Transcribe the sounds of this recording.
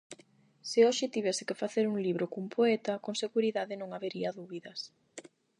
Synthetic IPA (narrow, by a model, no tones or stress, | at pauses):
sɪɔʃɪt̪iβɛsɪkɪfaθeɾuŋliβɾokuŋpʰoɛt̪ɐkoŋseɣuɾiðaðɪnõŋaβeɾiɐðuβiðɐs